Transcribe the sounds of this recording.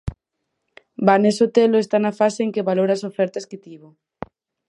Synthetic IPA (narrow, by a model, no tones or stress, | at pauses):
banesot̪eloest̪anafaseːŋkeβaloɾasofɛɾt̪asket̪iβo